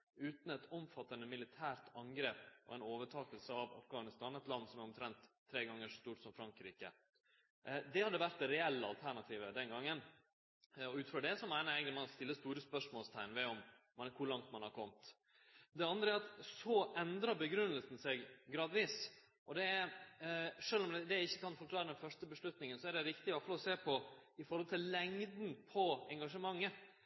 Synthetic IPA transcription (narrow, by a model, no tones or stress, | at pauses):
ʉːt̪n̩ɛt̪ɔmfɑt̪ːənəmɪlɪt̪ʰæːɾt̪ɑŋɡɾeːpɔ̰ɛnoːʋəʈʰɑːkəlsəɑʋɑ̰fɡɑːnɪst̪ɑːnɛt̪lɑnːsɔmæɾɔmt̪ʰɾɛnt̪ʰːɾeːɡɑŋːəʂɔst̪uːʈsɔmfɾɑŋkɾiːkə̰ | d̪ɛhɑd̪ːəʋæɾt̪d̪ɛɾɛɛlːəɑlt̪ʰæɳɑt̪ʰiːʋəd̪ɛnɡɑŋːən | ɔʉːt̪̩føɖɛsɔmæɪnəjæɪɡət̪ɪmɑnst̪ɪlːəst̪uːɾəspœʂmoːlst̪ʰæɪnʋɛɔmːnkʰʊɾɭɑŋt̪mɑnhɑɾkʰɔmt̪ | d̪ɛɑnd̪ɾəæɾɑt̪sɔʔɛnd̪ɾɑbəɡɾʉnːəlsn̩sɛɡɡɾɑːd̪ʋiːs | ʔɔd̪ɛæ | ʂøːlɔmd̪ɛd̪ɛɪçːəkɑnfɔɾkʰlɑːɾəd̪ɛnfœʂʈəbəʂlʉt̪nɪŋənsɔæɖɛɾɪkt̪ɪɔfɔlɔseːpʰɔɪfɔɾhɔlt̪ʰɪllɛŋd̪n̩pʰɔɛŋɡɑʂəmɑŋːə